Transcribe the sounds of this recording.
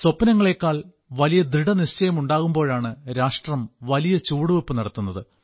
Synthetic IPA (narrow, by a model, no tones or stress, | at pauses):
sopːɐnɐŋːɐɭe̞ːkːaːɭ | ʋɐlijɐd̪ɾiɽɐniʂt͡ɕɐjɐmuɳɖaːɣumbo̞ːɻaːɳɨɾaːʂʈrɐmʋɐlijɐt͡ɕuːɽuʋupːɨnɐɽɐt̪ːunːɐðɨ